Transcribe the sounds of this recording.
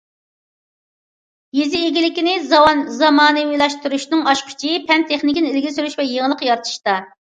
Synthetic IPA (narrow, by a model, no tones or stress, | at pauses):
jezɪːɡʲilɪkʲinɪzɑwɑnzɑmɑːnɨwilˠɑʃt̪uɾuʃnɨŋɑʃqʰʊ̥t͡ʃʰipʰɛnt̪ʰeχnɪkʲinilɡʲɪsyɾyʃvɛjeŋəlˠəqjɑɾt̪ʰɨ̥ʃt̪ɑ